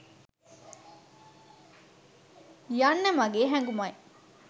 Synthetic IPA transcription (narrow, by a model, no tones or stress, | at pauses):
jɐnːɐmɐɡeːɦæŋɡumɐi